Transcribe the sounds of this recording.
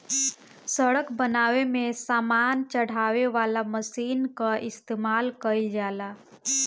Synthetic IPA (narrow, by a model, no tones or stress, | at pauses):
səɽəkbənaːʋemesaːmaːnt͡ʃəɽ̤aʋeʋalaməsiːnkaʔɪst̪eːmaːlkəɪld͡ʒaːla